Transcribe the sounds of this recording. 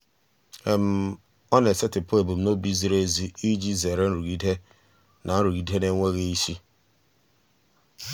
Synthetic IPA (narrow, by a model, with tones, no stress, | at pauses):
e˦m̩˦ | ɔ˦ne˨se˦tɪ˨po˦e˨bu˨m̩˨no˦bi˦zi˦ɾe˦zi˦i˦d͡ʒi˦ze˨ɾe˦n̩˦ɾu˨ɡi˦dɦe˦ | nʔa˨˦n̩˦ɾu˨ɡi˨dɦe˦ne˦ŋʷe˦ɣe˦i˦ʃi˦